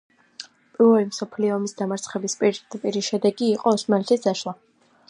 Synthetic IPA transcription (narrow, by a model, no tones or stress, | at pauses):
pʼilˠɔimsɔpʰliɔːmisd̪amaɾt̪sʰχɛbispʼiɾt̪ʼt̪ʼpʼiɾiʃɛd̪ɛɡiːqʼɔɔsmalɛt̪ʰisd̪aʃlˠa